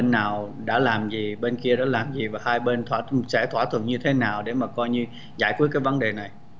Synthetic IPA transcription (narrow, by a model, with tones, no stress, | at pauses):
e˧nːaː˨˩wɗa̰ː˧˥laː˨˩mzi˨˩ɓe˧nki˧əɗa̰ː˧˥laː˨˩mzi˨˩vaː˨˩haː˧jɓe˧nt̪ʰwaː˧˩sɛ̰˧˥t̪ʰwaː˧˩t̪ʰwə̰˨˩nɲɨ˧t̪ʰe˨˦naː˨˩wɗe˧˩maː˨˩kɔ˧jɲɨ˧ | zaː˧˩jkwi˦˥k̚kːaː˨˦jvə˨˦nɗe˨˩na˨˩j